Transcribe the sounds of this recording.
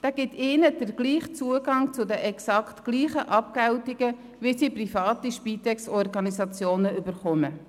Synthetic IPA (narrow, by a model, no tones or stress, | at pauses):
d̥ɑːɡ̥ɪtɪːnəd̥əɾɡ̥liːχt͡suəɡɑŋt͡sʊdɛʔɛksɑktkliːχəʔɑp̚kɛwtɪɡ̥ə | visiːprifɑːtiʃpiːt̪ɛksɔrɡɑnisɑt͡sjoːnəybəɾχɔmə